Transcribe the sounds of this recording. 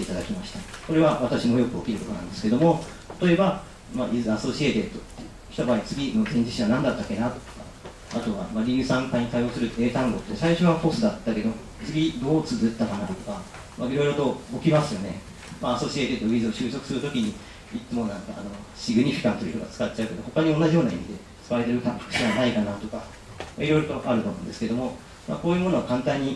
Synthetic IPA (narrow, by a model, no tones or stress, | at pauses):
t̪ːeit̪ad̪akʲimaɕi̥t̪ako̞ɾe̞βaβat̪aɕimo̞jo̞kɯ̟okʲiɾɯ̟t̪ot̪onã̰nd̪e̞sɨ̥ke̞d̪o̞mo̞ | t̪ḁt̪o̞e̞ba | maʔizaso̞ɕiet̪e̞t̪o | çʲi̥t̪abaːit͡sɨɡʲino̞zẽ̞ɲ̟d͡ʑisiβanãnd̪at̪ːake̞nat̪o̥o̥ka̰ | at̪o̞βa̰maɾʲiɯ̟sãŋkaiɲ̟it̪aio̞ːsɨɾɯ̟e̞ːt̪ãŋɡo̞t̪ːesaiɕoβapo̞sɨd̪at̪ːake̞d̪o̞o | t͡sɨɡʲid̪o̞ːt͡sɨzɨt̪ːakanat̪o̞ka | maiɾo̞iɾo̞t̪o̞okʲimasɨjo̞ne̞̰ | maːso̞ɕiet̪et̪oizɨo̞ɕɨːso̞kɯ̟̥sɨɾɯ̟t̪o̞kʲiɲ̟i | itːɨmo̞nãŋka̰ːno̞ | ɕiɡɯ̟ɲ̟iɸi̥kãnt̪oɾit̪oɡa̰t͡sɨ̥kat̚ːt͡ɕaɯ̟k̪et̪eho̞kaɲ̟io̞nːaʑijo̞ːnaḭmʲid̪e̞ | t͡sɨ̥kaɾe̞t̪e̞ɾɯ̟t̪ãpkɯ̟ɕiβanaikanat̪o̞ka | maiɾo̞jɾo̞t̪o̞ʔaɾɯ̟t̪oːmõːnd̪eske̞d̪o̞mo̞ | ma̰ko̞ːjɯ̟ːmo̞no̞akãnt̪ãɲ̟ːi